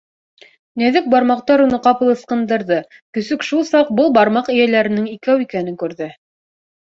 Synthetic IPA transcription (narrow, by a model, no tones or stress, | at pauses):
næðɘk̚bɑɾmɑq̚t̪ɑɾunɤqɑpɤ̆lˠɤ̆sqɤ̆nd̪ɤ̆ɾðɤ | kɵ̆sɵkʃulˠsɑq̚bɤlˠbɑɾmɑqɘ̆jælæɾɘ̆nɘŋikæwikænɘŋkʉɾðɘ